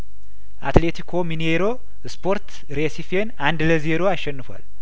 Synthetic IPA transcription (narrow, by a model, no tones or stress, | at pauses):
ʔat̪le̞t̪ʰikʰo̞mineɾo̞ | spʰo̞ɾt̪ | ɾesifenand̪ləze̞ɾo̞aʃːɛnːɨfoa̰l